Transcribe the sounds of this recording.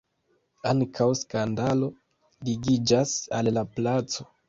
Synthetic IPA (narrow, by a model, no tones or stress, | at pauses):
aŋkʰawskandalo̞ | liɡid͡ʒasalːaplat͡so̞